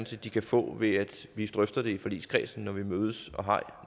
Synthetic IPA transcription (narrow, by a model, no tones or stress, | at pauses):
n̩səd̥ikʰæfɔ̰̽ːʋe̝æd̥ʋid̥ʁœfd̥ɐd̥e̝ifɒlḭːskʰʁɛ̰sn̩ːɒʋimøːð̞ˠəsɒ̽ɦɑ̰̈ɪ